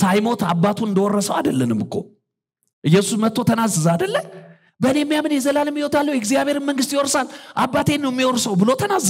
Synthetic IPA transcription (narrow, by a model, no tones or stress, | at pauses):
sajmo̞t̪ʰabːat̪ʰuɨnd̪əwɔrːəsəwad̪əlːənɨmbɨkʰːo̞̰ | ʔɨjːɛsusmət̪ːo̞t̪ʰənazːəzad̪əlːə | bəɨnejɛmːijamɨnjɛzəlalɨmːjɪwot̪ʰalːəwjɛɡzijaβhe̞ɾɨnməŋɡɨst̪jwɔɾsalʔabːat̪ʰe̞nːəwɛmːiɔɾsəwbɨlo̞t̪ʰənazː